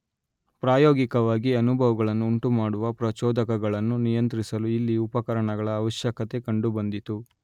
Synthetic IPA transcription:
pɾaːjoːɡikɐʋaːɡiɐnubʱɐʋɐɡɐɭɐnːuːɳʈumaːɽuʋɐpɾɐt͡ʃɔːd̪ɐkɐɡɐɭɐnːunijɐnt̪ɾisɐluilːiupɐkɐɾɐɳɐɡɐɭɐːʋɐʃjɐkɐt̪e̞kɐɳɖubɐnd̪it̪u

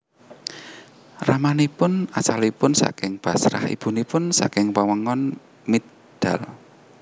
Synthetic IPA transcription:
ramanipʊnat͡ʃalipʊnsa̰kɪŋb̥a̤sɾa̰hḭb̥ṳnipʊnsa̰kɪŋpəwəŋɔn | mi | d̪̥a̤l

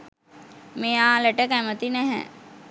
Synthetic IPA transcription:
meːaːləʈəkæmət̪inɛɦɛ̰

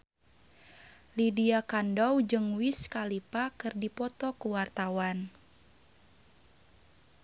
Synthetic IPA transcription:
lidiakandɔwd͡ʒɨŋwiskalipakɨrdipɔt̪ɔkuwart̪awan

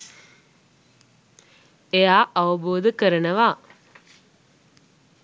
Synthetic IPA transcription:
ejaːʔaʋəboːd̪əkəɾənəʋa

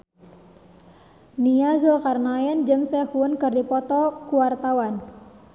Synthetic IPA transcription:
niazokarnaɛnd͡ʒɨŋsɛhuənkɨrdipɔt̪ɔkuwart̪awan

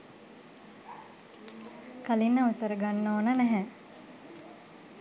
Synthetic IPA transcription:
kalinːəusəɾəɡanːoːnənæɦɛ

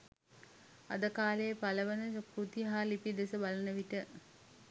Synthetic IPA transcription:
a̰d̪əkaːlejəpaləʋənəkɾut̪iɦalipid̪esəbalənəʋiʈə

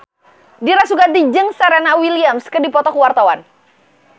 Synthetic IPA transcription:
diɾasuɡand̪id͡ʒəŋsəɾɛnawiliamskədipɔt̪ɔkuwart̪awan

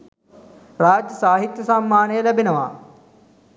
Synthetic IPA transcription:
raːd͡ʒjəsaːɦit̪jəsamːaːnəjəlæbenəʋa̰ː

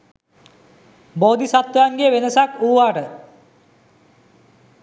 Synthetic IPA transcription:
boːd̪isat̪jaːŋɡeʋenɐsakuːʋaːʈə

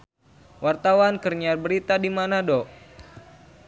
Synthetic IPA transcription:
wart̪awankərɲabəɾit̪adimanadɔʔ

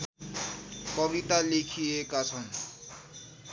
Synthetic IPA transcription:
kʌbit̪alekʰiekat͡sʰʌn

